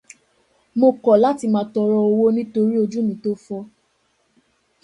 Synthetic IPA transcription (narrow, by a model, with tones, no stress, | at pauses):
mo˧kɔ˨la˦ti˧mãː˧˦tɔ˧ɾɔ˧o˧wo˦nĩ˦to˧ɾi˦o˧d͡ʒu˦nĩ˨˦to˦fɔ˧